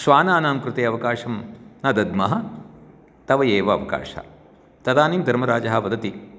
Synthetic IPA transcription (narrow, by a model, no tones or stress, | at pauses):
ʃʋaːnaːnaːmkɾɪt̪eːɐʋɐkaːʃɐmnɐd̪ɐd̪mɐɦɐ | t̪ɐʋɐjeːʋɐːʋɐka̰ːʃɐ̰ | t̪ɐd̪aːniːmd̪ʱɐɾmɐɾaːd͡ʒɐɦɐʋɐd̪ɐt̪i